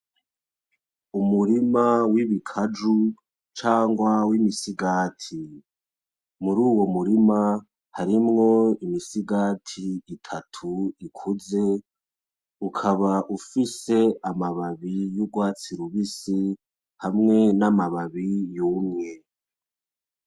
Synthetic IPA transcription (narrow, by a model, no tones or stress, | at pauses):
umuɾimawiβikʰad͡ʒu | t͡ʃaːŋɡwawimisiɡaːtʰi | muɾuːwo̞muɾima | haɾimŋo̞imisiɡaːtʰiːtʰatʰuikʰuze̞ | ukʰaβaʔufise̞amaβaβijuɡwaːt͡siɾuβisi | hamŋe̞namaβaβijuːmŋe̞